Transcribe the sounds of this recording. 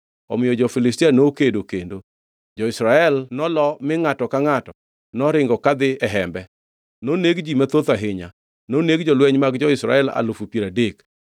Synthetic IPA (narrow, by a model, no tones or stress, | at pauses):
ɔ̰mɪjɔd͡ʒɔfɪlɪstianookedokendo | d͡ʒɔɪsɾaɛlnɔlɔmɪŋatɔkaŋatɔ | nɔɾɪŋɡɔkad̪ɪɛɦɛmbɛ | noneɡd͡ʒimat̪ot̪aɦɪɲa̰ | noneɡd͡ʒɔlwɛɲmaɡd͡ʒɔɪsɾa̰ɛla̰lʊfupjeɾadek